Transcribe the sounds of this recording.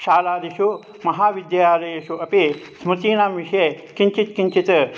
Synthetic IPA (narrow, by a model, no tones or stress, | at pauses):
ʃaːlaːd̪iʃu | mɐɦaːʋid̪jjaːlɐjɐʃuɐpi | smut̪iːnaːmʋiʂekiɲt͡ʃit̪kiɲt͡ʃit̪ɐ